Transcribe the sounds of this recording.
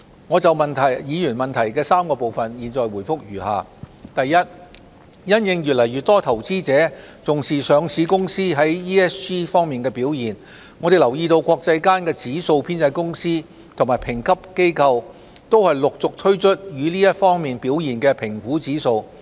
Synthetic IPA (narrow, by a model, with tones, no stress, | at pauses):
ŋɔ˨˧t͡sɐ˨wmɐ˨nt̪ʰɐ˨˩jjiː˨˧jyː˨˩nmɐ˨nt̪ʰɐ˨˩jkɛː˧saː˥mkɔː˧po˨wfɐ˨njiː˨˩nt͡sɔː˨jwuː˨˩jfʊ˥k̚jyː˨˩ha̰ː˨˩t̪ɐ˨jːɐ˥t̚ | jɐ˥njɪ˧ŋjyː˨t̚lɐ˨˩jyː˨˩t̪ɔː˥t̪ʰɐ˨˩wt͡siː˥t͡sɛː˨˥t͡sʊ˨ŋsiː˨sœː˨˧ŋsiː˨˧kʊ˥ŋsiː˥ɦɐ˨˥jiː˥ɛː˥siː˥fɔː˥ŋmiː˨˩nkɛː˧piː˨˥wjiː˨˩n | ŋɔː˨˧ɾe˨jlɐ˨˩wjiː˧t̪o˧wkʷɔː˧k̚t͡sɐ˧jkaː˥nkɛː˧t͡siː˨˥so˧wpʰiː˥nt͡sɐ˧jkʊ˥ŋsiː˥ | t̪ʰŋmaː˨˩jpʰɪ˨˩ŋkʰɐ˥p̚ke˥jkʰɐ˧w | t̪o˥whɐ˨jlʊ˨k̚t͡sʊ˨k̚t̪ʰɵ˥ɥt͡ʃʰɵ˥t̚jyː˨˧liː˥jɐ˥t̚fɔː˥ŋmiː˨npiː˨˥wjiː˨˩nkɛː˧pʰɪ˨˩ŋkuː˨˥t͡siː˨˥so˧w